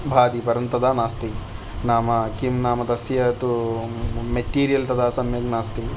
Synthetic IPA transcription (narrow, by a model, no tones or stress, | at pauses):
bʱaːd̪ipɐɾɐnt̪ɐd̪ʱaːnaːst̪i | naːmɐkimnaːmɐt̪ɐsjɐt̪u | meʈiːɾijɐlt̪ɐd̪ʱaːsɐmjɐɡnaːst̪i